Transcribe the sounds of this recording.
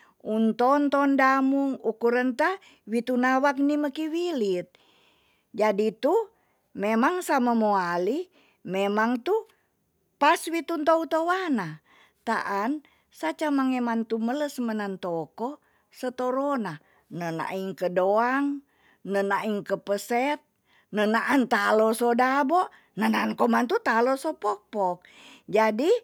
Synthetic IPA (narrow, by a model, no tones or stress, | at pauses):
unt̪ɔnt̪ɔndamuŋukuɾənt̪a | wit̪unawak̚niməkiwilit̪̚ | d͡ʒadit̪u | memaŋsamamoali | memaŋt̪u | paswit̪unt̪out̪owana | t̪a̰ʔan | sat͡ʃamaŋemant̪umələsmənant̪okɔ | sət̪oɾona | nəna̰ʔiŋkədoaŋ | nənaʔiŋkəpəsɛt̪̚ | nənaʔant̪alɔsodabɔ | nənankomant̪ut̪alosopɔk̚pɔk̚ | d͡ʒadi